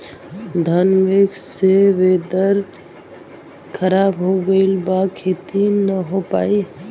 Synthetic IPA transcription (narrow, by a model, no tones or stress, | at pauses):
d̪ʱənmikseʋed̪əɾ | kʰəɾabɦoɡəɪlbakʰet̪inəɦopai